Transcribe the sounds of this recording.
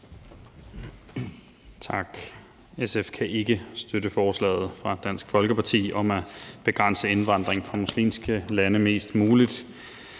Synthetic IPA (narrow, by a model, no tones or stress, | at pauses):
t͡sʰɑ̈ɡ̥ | esefkʰæʔe̝ɡ̥əsd̥øɾəfɒːslɛ̰ːð̞̩ˠfʁɑ̈d̥æn̰sɡ̥fɒ̽lɡ̥əpʰɑ̈t͡sʰḭːʔɒ̽mæb̥e̝ɡ̥ʁan̰səe̝nʋɑ̈n̰d̥ʁeŋfʁɑ̈muslḭːmsɡ̥əlænəme̝̰ːsd̥muːlid̥